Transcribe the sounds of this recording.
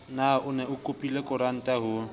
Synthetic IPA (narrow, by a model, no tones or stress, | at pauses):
naʊnɛʊkʼopʼilekʼʊɾan̩tʼaɦʊ